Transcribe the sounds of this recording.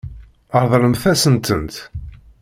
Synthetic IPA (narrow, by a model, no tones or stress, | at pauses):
əɾˤðˤɾəmθæsənt̪ənt̪